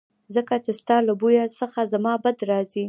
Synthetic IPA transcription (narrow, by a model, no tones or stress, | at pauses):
zəkat͡ʃest̪ɑlabujasəxazamɑbad̪ɾɑzi